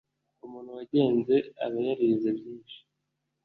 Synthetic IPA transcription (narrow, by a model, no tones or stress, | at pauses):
umuːn̥huwaɟe̞ːnze̞a̰βajaɾiɾizebjiːnʃi̥